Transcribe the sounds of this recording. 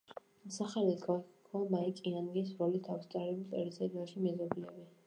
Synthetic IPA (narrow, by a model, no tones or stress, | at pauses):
saχalit̪ɡakʰamaikʼianɡis̬ɾɔlit̪ʰafst̪sʼaɾɛbut̪ʼɛ̰ɾisɛd̪aʃimɛzɔbilɛbi